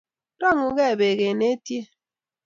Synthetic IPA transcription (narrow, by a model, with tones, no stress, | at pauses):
dɔ˦˨ŋu˨ɣe˦˨be˨ɣe˨ne˦tje˦